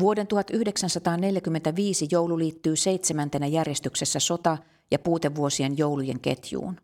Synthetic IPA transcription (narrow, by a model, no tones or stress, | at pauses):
ʋuodent̪uhɑt̪yhdeksænsɑt̪ɑːnne̞ljækymːent̪æʋiːsijowluliːt̪ːyːseit̪semænt̪enæjærjest̪yksesːæso̞t̪ɑ | jɑpuːt̪eʋːuosienjowlujḛŋkḛt̪jṵːn